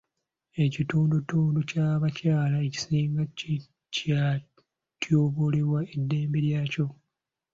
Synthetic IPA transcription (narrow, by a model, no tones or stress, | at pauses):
e̞cituːndutuːnducaβacaːlaeci̥siːŋɡai | ca | tjoːβoleβwaedːe̞ːmbeɾjaːco̞